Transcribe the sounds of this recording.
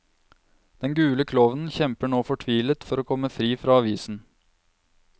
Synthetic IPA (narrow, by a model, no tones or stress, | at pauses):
d̪̥ɛnɡʉːləkʰlɔːʋən̩çɛmpəɳoːfɔʈʰʋiːlət̪fɔɾoːkʰɔmːəfɾiːfɾɑːɑʋiːsn̩